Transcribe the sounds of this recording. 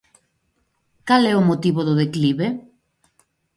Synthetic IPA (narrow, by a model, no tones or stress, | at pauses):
kalɛomot̪iβoðʊðekliβe